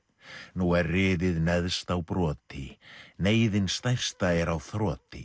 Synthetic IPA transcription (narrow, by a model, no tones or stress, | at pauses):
nuɛrrɪːðɪðnɛðst̪awpɾɔːt̪ɪneːjðɪnst̪ajr̥st̪aɛɾawθɾɔːt̪ɪ̰